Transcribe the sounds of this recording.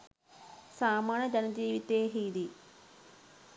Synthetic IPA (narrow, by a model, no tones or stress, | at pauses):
saːmaːɳɐd͡ʒɐnɐd͡ʒiːʋit̪eːɦiːd̪i